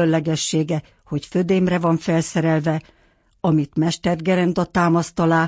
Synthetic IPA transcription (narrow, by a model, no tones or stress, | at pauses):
ønlɛɡɛʃːeːɡɛ | ho̞cfød̪eːmrɛvɒɱfɛlsɛɾɛlvɛ | ɒmit̪mɛʃt̪ɛrɡɛɾɛnd̪ɒt̪aːmɒst̪ɒlaː